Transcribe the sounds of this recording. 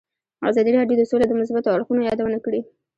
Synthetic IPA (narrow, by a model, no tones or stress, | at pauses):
ɑ̰zɑd̪iɾɑɖjod̪əsoled̪əmʊs̬bat̪oaɽxunojɑd̪awənakɽi